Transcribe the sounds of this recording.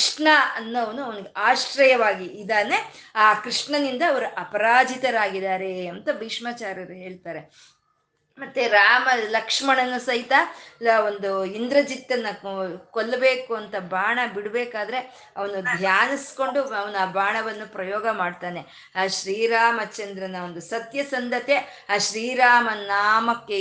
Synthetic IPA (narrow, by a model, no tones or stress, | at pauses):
ʂɳɐɐnːuɐʋɐnuɐʋɐnɐɡeʔaːʂʈɾɐjɐʋaːɡiːd̪aːne̞aːkɾiʂɳɐnind̪ɐːʋɐɾuʔɐpɐɾaːd͡ʒit̪ɐɾaːɡid̪aːɾe̞ɐnt̪ɐbiːʂmaːt͡ʃaːɾɐɾɦeːɭt̪aːɾe̞ | mɐt̪ːeɾaːmɐlɐkʂmɐɳɐnːusɐɦit̪ɐond̪uind̪ɾɐd͡ʒit̪ːɐnːɐkolːɐbeːkuɐnt̪ɐbʱaːɳɐbiɽbeːkaːd̪ɐɾe̞ | ɐʋɐnud̪ʱjaːnɐsko̞ɳɖuɐʋɐnuaːbʱaːɳɐʋɐnːupɾɐjɔːɡɐmaːɖt̪aːne | aːʃɾiːɾaːmɐt͡ʃːɐnd̪ɾɐnɐond̪usɐt̪jɐsɐnd̪ʱɐt̪jeaːʃɾiːɾaːmɐnaːmɐkːe